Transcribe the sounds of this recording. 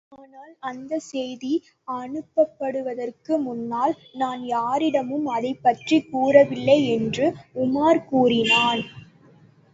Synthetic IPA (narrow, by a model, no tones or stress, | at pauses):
aːnaːlɐnd̪ɐsɛjði | ɐɳɯpːɐpːɐɽɯʋɐðɐrkɯmʊnːaːl | naːnjaːɾɪɽɐmɯmɐðɐɪpːɐʈrikːuːrɐʋɪlːɐɪɛndrɯʊmaːɾkuːrɪnaːn